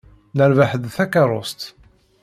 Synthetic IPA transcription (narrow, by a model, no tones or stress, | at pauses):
nəɾvaħəðθækaɾˤost̪